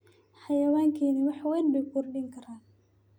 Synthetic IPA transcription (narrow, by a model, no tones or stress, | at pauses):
ħɑjɐwaːŋkʰiːnɐwɑħwɛːnbɛjkʰʊrɖɪŋkʰɐɾaːn